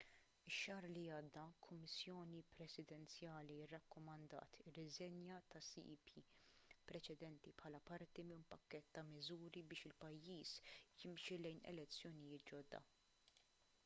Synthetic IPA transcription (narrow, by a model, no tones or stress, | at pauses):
ɪʃːɐːɾliɐːd̪ːɐkʰʊmːɪsjɔːnipɾɛsɪd̪ɛnt͡sjɐːliɪrːɐkːɔmɐnd̪ɐ̰ːt̪ɪrːɪzɛnjɐt̪ɐsḭʔḭpʰipɾɛt͡ʃɛd̪ɛnt̪ipħɐːlɐpɐɾt̪imɪnpɐkːɛt̪ːɐmɪzuːɾibɪːʃɪlpɐjːiːsjɪmʃilɛjnɛ̰lɛt͡sːjɔnɪjɪːt̪̚d͡ʒɔd̪ːɐ̰